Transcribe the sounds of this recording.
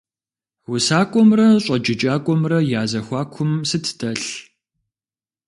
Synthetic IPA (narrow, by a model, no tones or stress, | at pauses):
wʊsaːkʷʼɔmrɐɕʼɐd͡ʒʼɪt͡ʃʼaːkʷʼɔmrɐjaːzɐxʷaːkʷʰʊmsɨtʰdʰɐɬ